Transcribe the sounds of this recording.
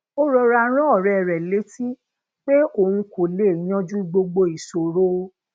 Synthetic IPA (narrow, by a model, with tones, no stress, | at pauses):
o˦ɾɔ˧ɾa˧˦ɾ̃ɔ̃˦ɔ˦˨ɾɛ˨ɾɛ˨le˨˦ti˦ | k͡pe˦o˨hũ˧ko˨le˨˦˨j̃ã˦d͡ʒu˦ɡ͡bo˧ɡ͡bo˧i˨so˨ɾo˦